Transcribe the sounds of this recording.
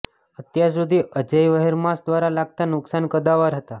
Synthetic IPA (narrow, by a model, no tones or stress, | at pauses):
ət̪jas̬ud̪ʱiːʔəd͡ʑəjʋəɦeɾmasd̪ʋaɾalaɡ̚t̪anuksankəd̪aʋaɾɦət̪a